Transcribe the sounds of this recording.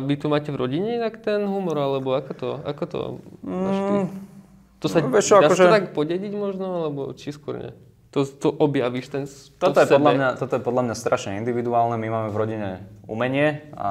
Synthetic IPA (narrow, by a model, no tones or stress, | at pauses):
ʋit̪umaːcɛvɾɔɟiɲɛinakt̪ɛnɦumɔɾalɛbɔakɔt̪ɔa̰kɔt̪ɔ̰ | t̪ɔsaʋɛɔaʒɛɔt̪akpɔɟɛɟiɟmɔʒnɔalɛbɔt͡ʃiskʊɔ̰ɾɲɛ̰ | t̪ɔt̪ɔʔɔbjaʋiʃt̪ɛnst̪ɔɔt̪jɛɔd̪lamɲat̪ɔt̪ɔjɛpɔd̪lamɲast̪ɾaʃɲɛind̪iʋid̪uaːlnɛmimaːmɛvɾɔɟiɲɛṵmɛɲɪɛa̰